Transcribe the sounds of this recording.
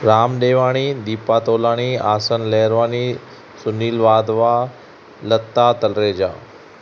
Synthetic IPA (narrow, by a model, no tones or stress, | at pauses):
ɾaːmɗ̪eːʋaːɽ̃id̪iːpaːt̪oːlaːɽ̃iːaːsənleːɾʋaːni | sʊniːlʋaːd̪ʋaː | lət̪ːaːt̪ɐlɾeːd͡ʒa̰ː